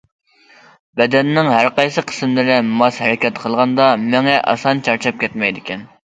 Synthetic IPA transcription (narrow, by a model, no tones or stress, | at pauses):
bɛd̪ɛnːɪŋɦæɾqɑjsɨqʰə̥smlɪɾɪmɑshɛɾɪkʲɛt̪qʰəlˠʁɑnd̪ɑmɪŋɛʔɑ̰sɑnt͡ʃʰɑɾt͡ʃʰɑp̚kʲʰɛt̪mɛjd̪ɪkʲʰɛn